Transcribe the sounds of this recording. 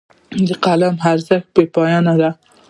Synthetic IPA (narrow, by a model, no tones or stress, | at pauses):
d̪əqalamɦaɾzax̚pepɑjɑnad̪a